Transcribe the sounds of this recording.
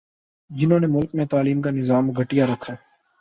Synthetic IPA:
d͡ʒɪnɦõːnemʊlkmẽt̪aːliːmkanɪzaːmɡʱəʈɪjaɾɐkʰːaː

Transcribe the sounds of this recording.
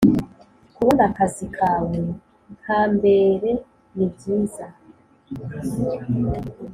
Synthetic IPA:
kuβonakazikʰaːwe | ŋ̥haːmbe̞ɾe̞ | nibɟiːza

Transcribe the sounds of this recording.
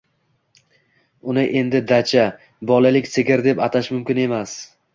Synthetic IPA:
ʊnɪʔe̞nd̪ɪd̪at͡ʃʰa | bɒlˠalɪkʲseɡʲɪɾd̪e̞pat̪ʰaʃmʊmkʲɪne̞mas

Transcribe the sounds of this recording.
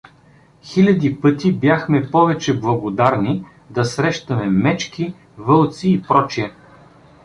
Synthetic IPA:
xilʲɐd̪ʲipɤt̪ibjaxmɛpɔvɛt͡ʃɛblˠɐɡod̪aɾni | d̪ɐsɾɛʃt̪ɐmɛmɛt͡ʃki | vɤlˠt̪siːpɾɔt͡ʃiɛ

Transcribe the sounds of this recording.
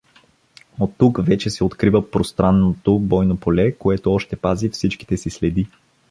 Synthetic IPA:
ot̪ːukvɛt͡ʃɛsɛot̪kɾivəpɾost̪ɾanːot̪obɔjnopolɛkoɛt̪oɔʃt̪ɛpazifsit͡ʃki̥t̪ɛsislɛd̪i

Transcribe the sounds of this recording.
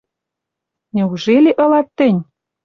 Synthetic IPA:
nʲĕuʒeleʔɤ̆lɑt̪ːɘ̆nʲ

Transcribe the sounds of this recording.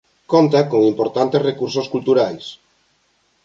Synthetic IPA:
kont̪akoŋimpoɾt̪ant̪esrekuɾsoskult̪uɾajs

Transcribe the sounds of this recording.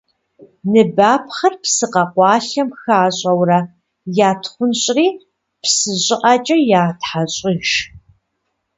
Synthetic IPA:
nɨbaːpχɐrpsɨqɐqʷɑːɬɐmxaːɕʼɐwrɐ | jaːtʰχʷʊnɕʼriː | psɨʑʼɪʔɐt͡ʃʼɐjaːtħaɕʼiʃ

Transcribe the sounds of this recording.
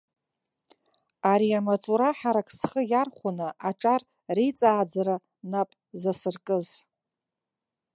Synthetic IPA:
aɾiamat͡sʼuɾaħaɾakʰʼsχəjarχʷunɨʔaʈ͡ʂʼar | rejt͡sʼaːd͡zaɾa | napʼ | zasɨrkʼɨz

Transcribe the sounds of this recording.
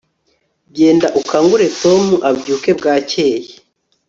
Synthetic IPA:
ɟe̞ːndaʔukaːŋɡuɾe̞to̞muʔabɟuːke̞bɡaːce̞ːje

